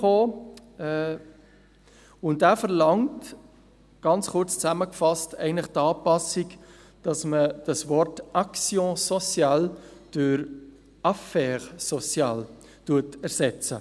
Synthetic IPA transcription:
oː | ʊndæːfəɾlɑŋt | ɡ̥ɑnt͡sχʊɾt͡st͡sæməkfɑstɛ̰ɪəntləχtɑːpɑsik | d̥ɑsməd̥ɑsvɔrtʔɑksjɔ̃sɔsjɑld̥øɾ | ʔɑfɛːʁsɔt͡sjɑːl | tuətɛɾsɛt͡sə

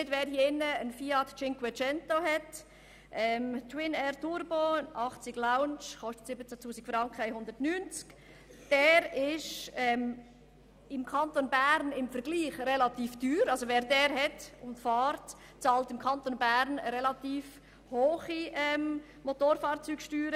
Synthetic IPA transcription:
nɪdvɛːɾhiɪnːəənfiɑtt͡ʃɪŋkwɛt͡ʃɛntohɛt | ʔɛːmtʰwɪnɛːɾtʊɾboʔɑχt͡sɪɡlaʊnt͡ʃχɔʃtə̥tsɪbət͡satʰuːsikfɾɑŋkχəajhʊnd̥̪əɾtnyːnt͡sk | d̥ɛːɾɪʃɛm | ɪmkʰɑntonbæɾnɪmfəɾɡliːχrɛlɑtiːfd̥yːɾɑlsoʋɛːɾdɛːɾhɛtʊntfɑːɾt | t͡sɑːltɪmkʰɑntonbæːɾnəɾɛlɑt̪iːf | hoːχiʔɛm | motoːɾfɑːɾt͡syːɡʃtyːɾə

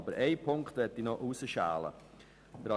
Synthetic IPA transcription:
bəɾɛɪpʰʊŋktʋɛtinɔʔuːsəʃa̰ːlə̰ | d̥əɾɑ

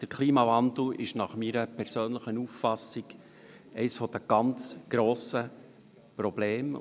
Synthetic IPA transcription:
d̥əɾkʰliːmɑvɑnd̪l̩ɪʃnɑχmiːɾəpʰɛɾsøːnləχənuːffɑsɪɡ̥ | ɛɪsfɔd̥̪əɡ̥ɑnt͡sɡ̥ɾoːsə | pɾɔb̥leːm

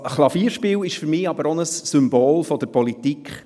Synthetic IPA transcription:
χlˠɑfiːɾʃpiːwɪʃfyɾmiːɑbəɾɔnəsːʏmboːlfɔd̥̪əɾpɔlit̪ikχ

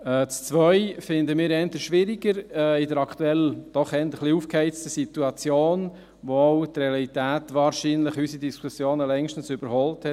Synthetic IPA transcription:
ɛːt͡st͡sʋœʏfɪnd̪əmɪːɾɛntəʃʋɪɾiɡəɾɛɪdəɾɑkt̪uɛld̥ɔχɛnt̪əχliuːfkhɛɪt͡stəsit̪uɑt͡sjoːn | ʋoɔʊt̪reɑlit̪æːtʋɑːɾʃiːnlɪχysidiskʰusjoːnəlɛŋʃtən̩sʏb̥əɾhɔlthɛ

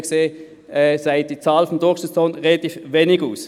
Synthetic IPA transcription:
kseː | ɛzaɪd̥iːt͡saːlfɔnd̥ʊksət͡sɔnʁelat̪iːfveːnɪɡuːs

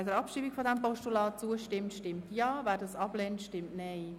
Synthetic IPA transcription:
dəɾɑpʃiːbikfodɛmpɔʃtulɑːt͡suəʃtɪmtʃtɪmtjɑːvæːɾdɑsɑb̥lɛːntʃtɪmtneɪ

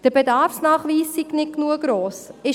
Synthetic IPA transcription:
d̥əɾbedɑɾfsnɑːχʋiːsːiknɪt̚knuəɡ̥ɾoːsɪ

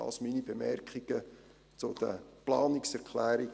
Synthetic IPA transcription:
ɑ̰lsminibemɛɾkχiɡ̥ə | t͡sʊd̪̥ə̰plɑːnɪksɛɾkʰlæːɾi

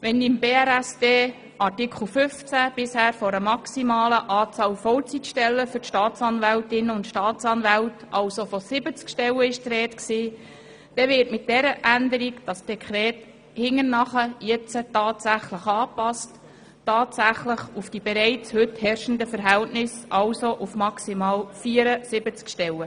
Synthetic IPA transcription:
ʋɛnɪmbeːæɾæsd̥eː | ʔɑrtɪkʰl̩fʏft͡sæb̥ɪshæːɾfɔɾəmɑksimɑːləʔɑːt͡sɑːlfɔwt͡sitʃtɛlːəfʏɾtʃtɑːtt͡sɑnvæltɪnʊntʃtɑːtt͡sɑnvæltɑlsofosɪbət͡skʃtɛləɪʃtɾɛːtksiː | d̥ɛʋɪːɾtmɪt̚d̥ɛɾəʔændəɾikd̥ɑsd̥ɛkʰɾɛːt | hɪŋːəɾnɑχəjɛt͡sətɑːtsæχləχɑːpɑst | tːɑːtsæχləχufd̥ib̥eɾɛɪt͡shɵthɛɾʃən̩dəfəɾɦɛltnɪsʔɑlsoʔufmɑksimɑːlfiːəɾəsɪbət͡skʃtɛlə

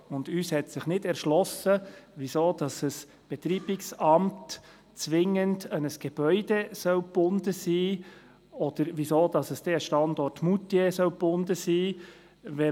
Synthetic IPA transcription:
ʊnd̥yːshɛtsɪχnɪdɛɾʃlɔsəʋisoːd̥ɑsəs | b̥ɛt̪ɾiːbɪksɑmt | t͡sʋɪŋəndənəsɡ̥eb̥œʏd̥ɛsœwpːʊndəsiː | ɔd̥̪əɾvisoːd̥ɑsəsd̥ɛəʃtɑndɔrtmutesœwpʊndəsiː | ʋɛ

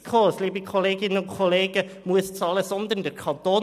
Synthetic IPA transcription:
kʰoːsliːpəkʰɔleːɡɪnɔkʰʊleːɡə | muːst̪sɑləsɑnd̪əɾɳd̪əkʰɑnt̪oː

